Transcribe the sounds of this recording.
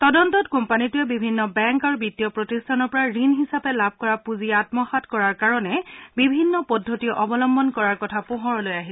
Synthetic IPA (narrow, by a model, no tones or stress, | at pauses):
tɔdɔntɔtkɔmpanitʊjɛbibʱinːɔbɛŋkaɹubitːijɔpɹɔtistʰanɔɹpɔɹaɹinɦisapɛlab̚ʱkɔɹapuziatmɔxatkɔɹaɹkaɹɔnɛbibʱinːɔpɔdʱːotiɔʔɔbɔlɔmbɔnkɔɹaɹkɔtʰapʊɦɔɹɔlojaɦisɛ